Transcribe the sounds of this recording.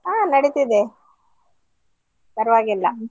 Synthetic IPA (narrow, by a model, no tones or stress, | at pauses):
aːnɐɽit̪id̪e | pɐɾʋaːɡilːɐ